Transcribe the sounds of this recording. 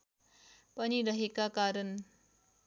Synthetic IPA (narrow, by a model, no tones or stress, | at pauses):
pʌniɾʌɦekakaɾʌn